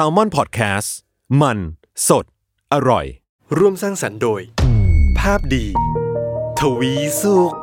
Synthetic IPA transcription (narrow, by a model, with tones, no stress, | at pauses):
saː˧wmɔ˥˨npʰɔː˨˩t̪̚kʰɛː˦˥s | ma˧n | so˨˩t̪̚ | ʔa˧ɾɔ̰˨˩j | ɾu˥˩əmsaː˥˩ŋsa˩˦ndoː˧jpʰaː˥˩p̚diː˧ | t̪ʰa˧wiː˦˥su˥˩k̚